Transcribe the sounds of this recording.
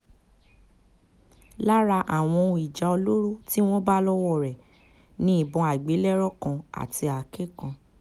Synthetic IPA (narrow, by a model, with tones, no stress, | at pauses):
la˦ɾa˧ʔa˨w̃ɔ̃˧i˨d͡ʒa˧o˧lo˦ɾu˦ti˦w̃ɔ̃˦ba˦lɔ˦wɔ˦˨ɾɛ˨ | nĩ˦i˦˨bɔ̃˧a˨ɡ͡be˨˦lɛ˦ɾɔ˦kã˧a̰˨ti˧a˨ke˦kã˧